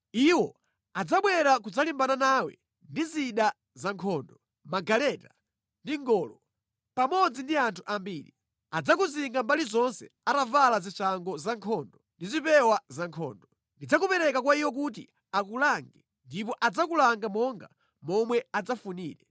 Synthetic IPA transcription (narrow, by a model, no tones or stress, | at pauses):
iwɔ | ad͡zaɓwɛɾakud͡zalimbananaːwɛ̰ | ndiziɗa | zaŋkʰɔːndɔ | maɡalɛta | ndiŋɡɔːlɔ | pamɔd͡zindiantʰuʔambiːɾi | ad͡zakuziŋɡambalizɔnsɛ̰atavalazit͡ʃaŋɡɔzaŋkʰɔːndɔndizipɛwazaŋkʰɔːndɔ | ndid͡zakupɛɾɛkakwaiwɔk̬ut̬ḭ | akulaŋɡɛ | ndipɔʔad͡zakulaŋɡamɔŋɡa̰ | mɔmwɛad͡zafunḭːɾɛ